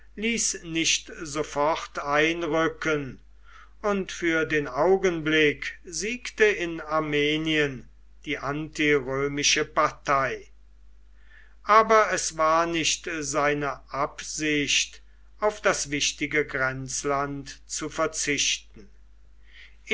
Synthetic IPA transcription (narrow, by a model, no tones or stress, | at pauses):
liːsnɪʃtzofɔχtaɪnʁʏkən | ʊntfyːɐdeːnaʊɡənblɪkziːktəɪnaɐmeːniən | d̥iːʔantiʁøːmɪʃəpaɐtʰaɪ | ʔaːbɐɛsvaːɐnɪʃtzaɪnəʔapz̥ɪʃt | aʊfd̥asv̥ɪʃtɪɡəɡʁɛnt͡slantt͡sufɛɐt͡sɪʃtn̩